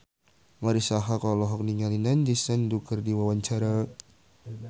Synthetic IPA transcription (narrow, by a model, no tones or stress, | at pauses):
ŋaɾisaɦakɔlɔɦɔk̚niŋalinandisənd̪uɡərdiwawant͡ʃaɾa